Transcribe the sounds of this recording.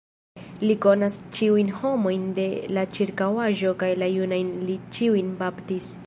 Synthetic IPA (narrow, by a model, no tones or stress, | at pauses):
liko̞nast͡ʃiujnho̞mo̞jnde̞lat͡ʃiɾkawaʒo̞kajlajunajnlit͡ʃiujnbaptis